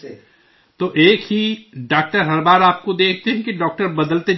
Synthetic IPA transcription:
t̪oʔeːkhiɖaːk̚ʈəɾɦɐɾbaːɾaːp̚kod̪eːkʰt̪eɦɛ̃kiɖɔːk̚ʈəɾbɐd̪əlt̪e

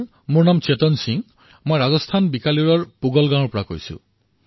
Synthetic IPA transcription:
munamt͡ʃet̪ɔnsiŋ | mojɾad͡ʒɔst̪ʰanbikaliɾɔɹpuɡɔlɡãupɾako̰isṵ

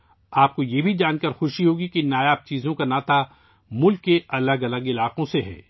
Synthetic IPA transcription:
aːp̚kojebʱid͡ʒaːnkəɾxʊʃiɦoːɡikinaːjaːb̚t͡ʃiːzõkanaːt̪a | mʊlkːeɐləɡɐləɡɪlaːqõseɦɛ̰ː

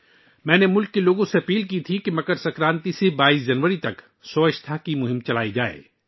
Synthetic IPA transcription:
mɛ̃ːnemʊlkːeloːɡõseɐpiːlkit̪ʰikemɐkəɾsɐkɾãːnt̪isebaːiːsd͡ʒɐnʋəɾit̪ɐk | sɔːɪʃt̪ʰakimʊɦɪ̃mt͡ʃɐla̰ːid͡ʒaːḛː

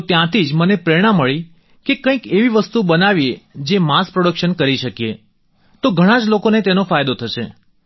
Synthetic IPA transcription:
t̪jãt̪ʰid͡ʒmənepɾeɽ̃aməɭi | kekə̃ĩkeʋiʋəst̪ubənaʋied͡ʒemaspɾoɽəkʃənkəɾiʃəkje | t̪oɡʱəɽ̃ãd͡ʒlokonet̪enofajd̪ot̪ʰəʃe

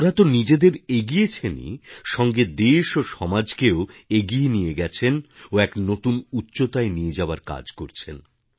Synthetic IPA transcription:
ɾat̪onid͡ʑed̪eɾeɡijet͡ɕʰenḭʃɔŋɡed̪eʃoʃɔmad͡ʑkeoeɡienijeɡɛt͡ɕʰenoɛknot̪unutːɕot̪aenijed͡ʑaoaɾka̰d͡ʑkoɾt͡ɕʰen

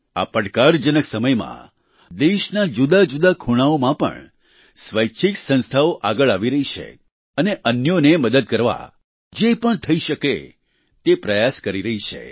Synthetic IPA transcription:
a̰pəɽkaɾd͡ʒənəksəməjmã̰ | d̪eʃnad͡ʒud̪ad͡ʒud̪akʰuɽ̃aomãpə̰ɳ | sʋəjt͡ʃʰiksə̃nst̪ʰaoʔaɡəɭaʋiɾəɦit͡ʃʰḛ | əneʔənjoneməd̪əd̪̚kəɾʋa̰ | d͡ʒepəɳt̪ʰəiʃəkḛ | t̪epɾəjaskəɾiɾəɦit͡ʃʰḛ

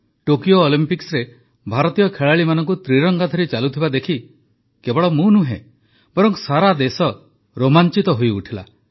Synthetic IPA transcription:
ʈokijoːlimpiksɾe | bʱaɾɔt̪ijɔkʰeɭaɭimanɔŋkut̪ɾiɾɔŋɡat̪ʰɔɾit͡ʃalut̪ʰibad̪ekʰi | kebɔɭɔmũnuɦḛ̃ | b̥ɔɾɔŋksaɾad̪esɔ | ɾomant͡ʃit̪ɔɦojuʈʰila̰

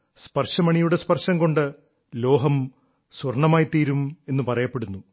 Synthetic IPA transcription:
spɐrʂɐmɐɳijuɽe̞spɐrʂɐŋko̞ɳɖɨ | lo̞ːɦɐm | swɐrɳɐmaːjit̪iːɾume̞nːupɐrɐjɐpːeɽunːu

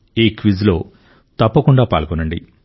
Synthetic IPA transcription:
iːkʋizlo̞ː | t̪ɐpːɐkuɳɖaːpa̰ːlkonɐɳɖḭ

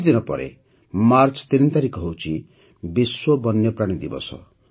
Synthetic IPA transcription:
d̪inɔpɔ̰ɾḛ | maɾt͡ʃɔ̥t̪iɾint̪aɾikɔɦewt͡ʃʰi | biswobɔnjɔpɾaɽ̃id̪ibɔ̰sɔ̰

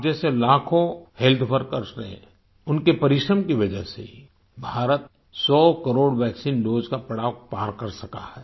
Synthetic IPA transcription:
d͡ʒɛːselaːkʰõhelt̪ʰpʰəɾkɐɾsɾeɛ̰̃ | ʊnkepɐɾɪʃɾəmkiʋɐd͡ʒəɦsḛi | bʱaːɾət̪̚ | sɔːkəɾoːɽʋɛːksiːndoːd͡ʒkapɐɽaːwpaːɾkɐɾsɐka̰hɛː

